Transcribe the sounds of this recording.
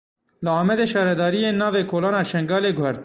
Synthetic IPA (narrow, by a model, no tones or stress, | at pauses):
lɨɑːmɛd̪eːʃɑːɾɛd̪ɑːɾijeːnːɑːveːkʰoːlɑːnɑːʃɛŋɡɑːleːɡʊɦɛɾt̪